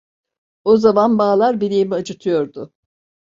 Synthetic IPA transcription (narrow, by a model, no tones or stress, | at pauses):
o̞zamanbaːlˠaɾbiɾʲijimiad͡ʒut̪ʰɯjo̞ɾd̪ʊ